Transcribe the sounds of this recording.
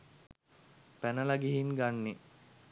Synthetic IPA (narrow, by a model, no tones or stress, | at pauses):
pænəlaɡiɦiŋɡanːe